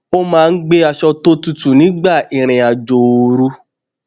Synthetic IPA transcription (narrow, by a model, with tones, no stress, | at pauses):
o˦mãː˦˧n̩˦ɡ͡be˦a˧ʃɔ˧to˦tu˧tu˨nĩ˨˦ɡ͡ba˦˨i˨ɾ̃ɛ̃˨a˨d͡ʒo˨˧ɾu˧˦